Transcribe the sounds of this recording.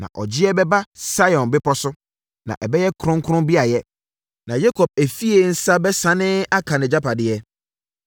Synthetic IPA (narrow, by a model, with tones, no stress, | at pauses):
nã̰˨ʔɔ˨d͡ʑɪ˦ɛ˦bɛ˦ba˦sa˦jɔ̃˨nbɪ˦pʰɔ˦sʊ˦ | nã̰˨ʔɛ˨bɛ˦jɛ˦kʰɾʊ̃˦ŋ˦kʰɾʊ̃˦bi˦a˨jɛ˦ | nã˨je˦kʰɔ˨p̚æ˨fi˦e˨n̩˦sa˦bɛ˦sã˨nɪ̃˦a˦kʰã˨nɪ̃˨d͡ʑa˦pʰa˨dɪ˨ɛ˦